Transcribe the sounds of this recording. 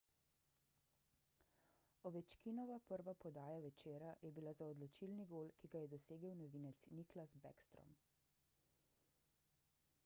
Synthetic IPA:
ɔʋɛt͡ʃkinɔʋapəɾʋapɔd̪aːjaʋɛt͡ʃeːɾajɛbilazaɔd̪lɔt͡ʃilniɡoːlkiɡajɛd̪ɔseːɡəwnɔʋiːnɛt̪sniklasbɛ̰kst̪ɾɔ̰m

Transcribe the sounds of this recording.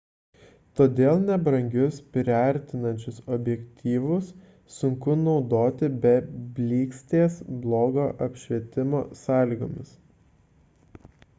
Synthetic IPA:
t̪oːd̪ʲeːlˠnʲɛbɾɐŋʲɡʲʊspʲɾʲɐɾʲt̪ʲɪnɐnʲt͡ʃʲʊsɔbʲjɛkt̪ʲiːʋʊsː | ʊŋkʊnɒʊd̪oːt̪ʲɪbʲɛbʲlʲiːksʲt̪ʲeːsblˠoːɡoːʔɐpʲʃʲʋʲiɛt̪ʲɪmoːsɑːlʲiːɡoːmʲɪs

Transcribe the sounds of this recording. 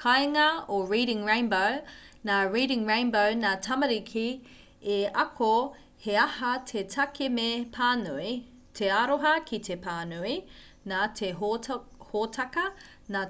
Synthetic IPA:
kʰɐjŋɐoɹiːɾɪŋɹẽjnbow | naːɹiːɾɪ̃ŋɹẽɪnbownaːtʰɐmɐɾikʰi | eɐko | he̞ɐhɐtʰetʰɐkemepʰaːnui | tʰe̞aɾoɦɐkʰit̪ʰepaːnui | naːtʰeɦhotʰɐkɐ | naː

